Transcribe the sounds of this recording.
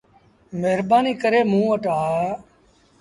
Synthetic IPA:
meɦɾbaːniːkəɾeːmũːʋəʈaː

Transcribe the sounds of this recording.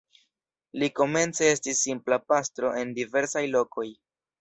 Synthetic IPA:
liko̞me̞nt͡se̞e̞stisːimplapastɾo̞ʔe̞ndive̞ɾsajlo̞ko̞j

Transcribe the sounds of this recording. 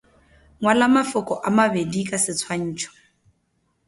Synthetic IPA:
ŋwalamafʊkʼɔʔamabedikʼasɪt͡sʰwaɲ̩ːt͡ʃʰɔ̥

